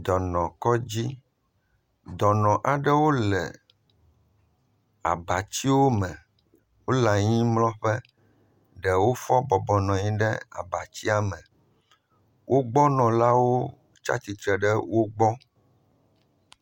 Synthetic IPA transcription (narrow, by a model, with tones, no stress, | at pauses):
d̪ɔ˨nɔ̃˨kɔ˦d͡ʑi˦ | d̪ɔ˨nɔ̃˨ʔa˨ɖɛ˦wo˦lɛ̰˨ | a̰˨ba˨t͡ɕi˦wo˦mɛ̃˨ | wo˦la˨ɲĩ˦mlɔ̃˦ɸɛ˦ | ɖɛ˨wo˦fɔ˦bɔ˨bɔ˨nɔ̃˨ɲĩ˦ɖɛ̰˦a̰˨ba˨t͡ɕi˦a˦mɛ̃˨ | wʔo˦ɡ͡bɔ˦nɔ̃˨la˦wo˦ | t͡ʃa̰˦t͡ɕi˨t̪ɾɛ˨ɖɛ˦wo˦ɡ͡bɔ˦